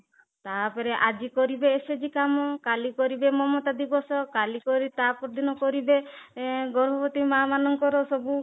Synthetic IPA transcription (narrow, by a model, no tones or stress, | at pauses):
t̪apeɾeʔad͡ʒikɔɾibeːsed͡ʒikamɔkalikɔɾibemɔmɔt̪ad̪ibɔsɔkalikɔɾit̪apɾɔd̪inɔkɔɾibe | ɡɔɾbʱɔpɔt̪imamanɔŋkɔɾɔsɔbu